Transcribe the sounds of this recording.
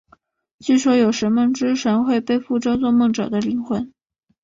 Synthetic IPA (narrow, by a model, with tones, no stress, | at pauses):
t͡ɕy˥˩ʂwɔ˥jo˨˩ʊʂə˧˥nmɤ˥˩ŋʈ͡ʂɻ̩˥ʂə˧˥nxwe˥˧ɪpe˥˧ɪfu˥˧ʈ͡ʂɑ˥ʊt͡swɔ˥˧mɤ˥˩ŋʈ͡ʂɤ̰˨˩d̪ə˦li˧˥ŋxwə˧˥˦n